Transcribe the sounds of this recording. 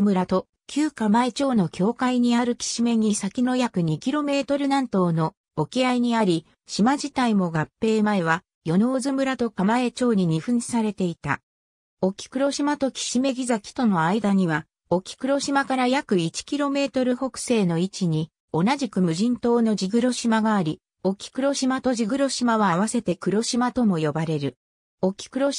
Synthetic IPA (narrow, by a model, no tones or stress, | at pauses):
mɯ̟ɾat̪o̞ | kʲɨːkamae̞t͡ɕo̞ːno̞kʲʰo̞ːkaiɲ̟iaɾɯ̟kʲi̥ɕime̞ɲ̟isakʲino̞jakɯ̟ɲ̟ikʲiɾo̞me̞ːt̪o̞ɾɯ̟nãnt̪o̞ːno̞ː | kʲiaiɲ̟iaɾʲi | ɕimaʑit̪aimo̞ɡapːe̞ːmae̞β̞a | jo̞no̞ːzɨmɯ̟ɾat̪o̞kamae̞t͡ɕo̞ːɲ̟iɲ̟iɸɯ̟̃ɲd͡ʑi̥saɾe̞t̪e̞it̪a̰ | o̞kʲi̥kɯ̟ɾo̞ɕimat̪o̞kʲi̥ɕime̞ɡʲizakʲi̥t̪o̞no̞aid̪aɲ̟iβ̞a | o̞kʲi̥kɯ̟ɾo̞ɕimakaɾajakɯ̟it͡ɕi̥kʲiɾo̞me̞ːt̪o̞ɾɯ̟ho̞kɯ̟̥se̞ːno̞it͡ɕiɲ̟i | o̞naʑikɯ̟mɯ̟ʑĩnt̪o̞ːno̞d͡ʑiɡɯ̟ɾo̞ɕimaɡaːɾʲi | o̞kʲi̥kɯ̟ɾo̞ɕimat̪o̞ʑiɡɯ̟ɾo̞ɕimaβaːβ̞ase̞t̪e̞kɯ̟ɾo̞ɕimat̪o̞mo̞jo̞baɾe̞ɾɯ̟ | o̞kʲi̥kɯ̟ɾo̞